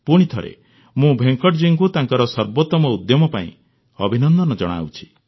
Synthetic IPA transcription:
puɽ̃it̪ʰɔɾḛ | mũbʱeŋkɔʈd͡ʒiŋkut̪aŋkɔɾɔsɔɾbot̪ɔmɔud̪jɔmɔpaḭ̃ | ɔbʱinɔnd̪ɔnɔd͡ʒɔɽ̃a̰wt͡ʃʰi̥

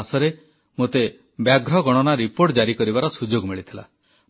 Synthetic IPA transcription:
sɔɾe | mot̪e | bjaɡɾɔɡɔɽ̃ɔnaɾipoɾʈd͡ʒaɾikɔɾibaɾɔsud͡ʒoɡmiɭit̪ʰila̰

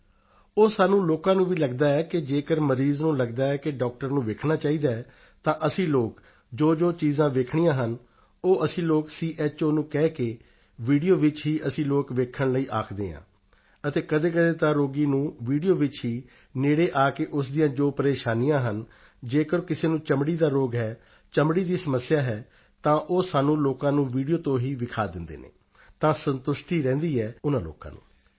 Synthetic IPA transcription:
oːsaːnũːloːkãːnũːʋiːləɡd̪aːɛːkɪd͡ʒeːkəɾməɾiːznũːləɡd̪aːɛːkɪɖɔːk̚ʈəɾnũːʋeːkʰɳaːt͡ʃaːiːd̪aːɛː | t̪ãːʔəsĩːloːk | d͡ʒoːd͡ʒoːt͡ʃiːzãːʋeːkʰɳiːjãːɦən | oːʔəsĩːloːksiːʔɛːt͡ʃoːnũːkɛːkeː | ʋiːɖijoːʋɪt͡ʃɦiːʔəsĩːloːkʋeːkʰːəɳləiːʔaːkʰd̪ḛːã̰ː | ət̪eːkəd̪eːk̬əd̪eːt̪ãːɾoːɡiːnũːʋiːɖijoːʋɪt͡ʃɦiː | neːɽeːʔaːkeːʔʊsd̪ijãːd͡ʒoːpəɾeːʃaːnijãːɦən | d͡ʒeːkəɾkɪseːnũːt͡ʃəmɽiːd̪aːɾoːɡɦɛː | t͡ʃəmɽiːd̪iːsəməsːjaːɦɛː | t̪ãːʔoːsaːnũːloːkãːnũːʋiːɖijoːt̪õːɦiːʋɪkʰaːd̪ɪnd̪ḛːnḛː | t̪ãːsənt̪ʊʃʈiːɾɛ̃ːnd̪iːɦɛːʊnãːlo̰ːkã̰ːnṵ̃ː

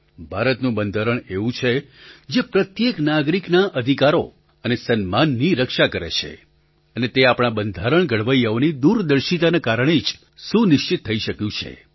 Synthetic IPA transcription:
bʱaɾət̪nũbənd̪ʱəɾəɳeʋũt͡ʃʰe | d͡ʒepɾət̪jeknaɡɾiknaʔəd̪ʱikaɾo̰ | ənesənmanːiɾəkʃakəɾḛt͡ʃʰḛ | ənet̪eapɳ̃abənd̪ʱaɾəɳ̃ɡʱəɽ̤ʋəjaonid̪uɾd̪əɾʃit̪anakaɾəɳ̃id͡ʒ | ʃũnɪʃt͡ʃit̪ʰːəiʃəkjũt͡ʃʰḛ

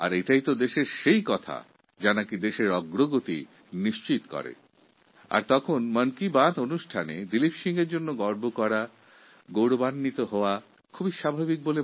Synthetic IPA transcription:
a̰ɾejʈajt̪od̪eʃeɾʃejkɔt̪ʰa̰ | d͡ʑanakid̪eʃeɾɔɡɾoɡot̪i | niʃt͡ɕit̪kɔ̰ɾḛ | a̰ɾt̪ɔkʰonmənkibãd̪onuʃʈʰanḛd̪ilipʃiŋɡeɾd͡ʑonːoɡɔɾbʱokɔɾa | ɡowɽobanːit̪oɦɔoa | kʰubiʃabʱabik̚bole

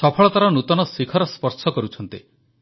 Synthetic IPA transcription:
sɔpʰɔɭɔt̪aɾɔnut̪ɔnɔsikʰɔɾɔspɔɾsɔkɔɾut͡ʃʰɔnt̪i

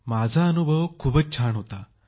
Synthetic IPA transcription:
mad͡zʱaənubʱəʋkʰuːbət͡st͡ɕʰaɳɦot̪a

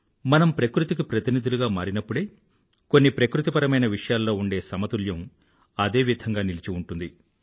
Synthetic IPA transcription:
mɐnɐmpɾɐkɾut̪ikipɾɐt̪inid̪uluɡaːmaːɾinɐpːuɽe̞ː | ko̞nːipɾɐkɾut̪ipɐɾɐmɐjnɐʋiʂɐjaːlːo̞ːuɳɖe̞ːsɐmɐt̪uljɐm | ɐd̪e̞ːʋid̪ʱɐŋɡaːnilit͡ʃiuɳʈund̪i

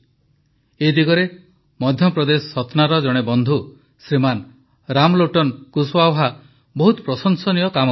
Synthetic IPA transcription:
ed̪iɡɔɾe | mɔd̪ʱjɔpɾɔd̪esɔɔt̪naɾɔd͡ʒɔɽ̃ebɔnd̪ʱu | sɾiman | ɾamloʈɔnkuswawɦa | bɔɦut̪ɔpɾɔsɔŋsɔnijɔkamɔ

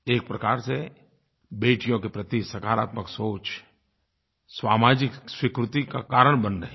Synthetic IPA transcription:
eːk̚pɾɐkaːɾse | beːʈijõkepɾɐt̪isɐkaːɾa̰ːt̪məksoːt͡ʃ | swaːmaːd͡ʒɪkswɪkɾʊt̪ikakaːɾəɽ̃bənɾɐɦe

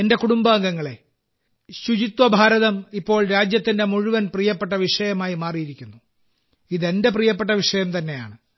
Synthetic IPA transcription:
ende̞kuɽumbaːŋɡɐŋːɐɭe̞ | ɕud͡ʑit̪ʋɐbʱaːɾɐðɐmipːo̞ːɭɾaːd͡ʑjɐt̪ːinde̞muɻuʋɐnprijɐpːe̞ʈːɐʋiʂɐjɐmaːjimaːrijiɾikʲːunːu | iðe̞nde̞p̬rijɐp̬ːeʈ̬ːɐʋiʂɐjɐmt̪ɐnːe̞ja̰ːɳɨ

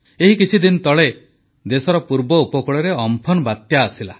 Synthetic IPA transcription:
eɦikit͡ʃʰid̪inɔt̪ɔɭe | d̪esɔɾɔpuɾbɔupɔkuɭɔɾeɔmpʰɔnbat̪jaːsila̰

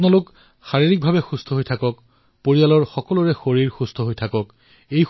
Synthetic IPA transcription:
nɔlok | xaɹiɹik̚bʱabɛxust̪ʰɔɦojtʰakɔk | poɹijalɔɹxɔkɔlʊɹɛxoɹiɹxust̪ʰɔɦojtʰakɔk | ej

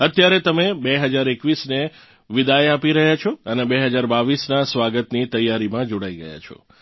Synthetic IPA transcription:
ət̪jaɾet̪əmebeɦəd͡ʒaɾekʋisne | ʋɪd̪ajapiɾəɦjat͡ʃʰɔənebeɦəd͡ʒaɾbaʋisnasʋaɡət̪nit̪əjːaɾimãd͡ʒoɽaiɡə̰ja̰t͡ʃʰɔ̰

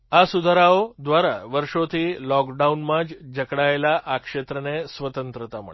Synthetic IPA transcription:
asud̪ʱaɾaod̪ʋaɾaʋəɾʂot̪ʰiːlɔkɖaunmãd͡ʑd͡ʑəkɽaelaʔakʂet̪ɾənesʋət̪ənt̪ɾət̪amə̰ɭ

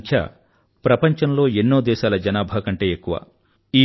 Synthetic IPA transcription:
kʰɐ̰ | pɾɐpɐɲt͡ʃɐnlo̞ːenːo̞ːd̪ɛːʃaːlɐd͡ʒɐnaːbʱakɐɳʈe̞ːekːuʋa̰ː | iː

